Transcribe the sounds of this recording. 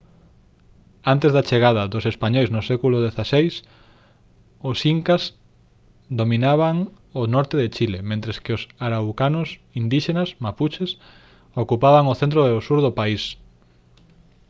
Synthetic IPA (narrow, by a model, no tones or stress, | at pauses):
ant̪ezðat͡ʃeɣaðɐðʊsespaɲojznosɛkulʊðeθasejs | osiŋkaz | d̪ominaβaŋ | onɔɾt̪eðet͡ʃilemẽnt̪ɾeskɪosaɾawkanʊsind̪iʃenasmaput͡ʃes | okupaβaŋoθent̪̬ɾoeosuɾðopais